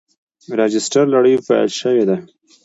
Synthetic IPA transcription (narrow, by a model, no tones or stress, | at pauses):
ɾɑd͡ʒɪsʈaɾlaɽəjfa̰j̰lʃəwed̪a